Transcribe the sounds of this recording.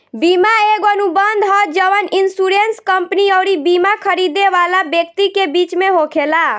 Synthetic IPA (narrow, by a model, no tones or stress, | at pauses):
bimaeɡənubənd̪ɦɔt̪d͡ʒəʋəninsuɾenskəmpniəwɾibimakʰəɾid̪eʋalabjək̚t̪ikebit͡ʃmeɦokʰela